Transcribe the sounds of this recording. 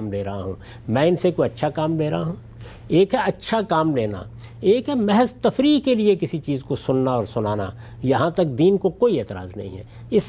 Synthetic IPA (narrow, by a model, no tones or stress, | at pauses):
mleːɾɐɦa̰ɦṵ̃ː | mɛ̃ːɪnsekoiɐtːʃʰakaːmleːɾɐɦaɦũː | eːkɦɛɐtːʃʰakaːmleːna̰ | eːkɦɛmɛɦəzt̪ɐfɾiːkeliekɪsit͡ʃiːzkosʊnnaɔːɾsʊnaːna̰ | jɐɦãt̪ɐk̚d̪iːnkokoːieːt̪ɪɾa̰ːznɐ̰ɦḭ̃ɦɛ̰ | ɪs